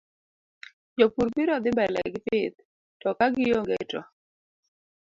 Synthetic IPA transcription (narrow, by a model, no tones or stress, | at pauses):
d͡ʒopuɾpiɾɔd̪ɪmbɛlɛ̰ɡɪpɪt̪̚ | tɔkaɡɪjoŋɡɛtɔ